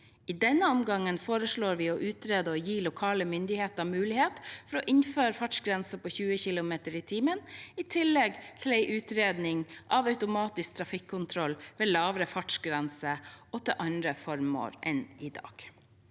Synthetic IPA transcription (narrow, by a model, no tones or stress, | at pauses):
iːd̪ɛnːəɔmɡɑŋːənfoːɾəʂɭoːɾʋɪːɔʔʉːt̪ɾeːd̪əɔjiːlʊkʰɑːləmʏnd̪ɪheːt̪ɑmʉːlɪheːt̪fɔɾɔʔɪnføːɾəfɑʈʂɡɾɛnsəpoːçʉːəçɪlʊmeːt̪əɾiːt̪ʰiːmənɪt̪ʰɪlːɛɡt̪ʰɪlɛɪʔʉːt̪ɾeːd̪nɪŋʔɑʋɑʉt̪ʊmɑːt̪ɪsk̚t̪ʰɾɑfɪkʰːʊnt̪ʰɾɔlːʋeːlɑːʋɾəfɑʈʂɡɾɛnsəɔt̪ʰɪʔɑnd̪ɾəfɔɾmo̰ːɾʔɛnɪd̪ɑ̰ːɡ̥